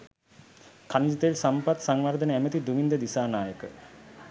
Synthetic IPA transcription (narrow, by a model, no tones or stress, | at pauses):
kanid͡ʒit̪əlsampat̪saŋʋaɾd̪ənəæmət̪id̪umind̪əd̪isaːnaːjəkə